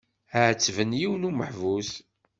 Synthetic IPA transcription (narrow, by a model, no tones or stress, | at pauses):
əʕət͡sːvənjiwənuməħvus